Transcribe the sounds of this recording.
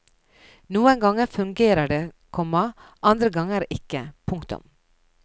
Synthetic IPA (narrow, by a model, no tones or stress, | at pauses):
nuːəŋɡɑŋəfʉŋɡeːɾəɖeː | kʰɔmɑʔɑnd̪ɾəɡɑŋəɾʔɪkəpʰʊŋkt̪ʊ̰m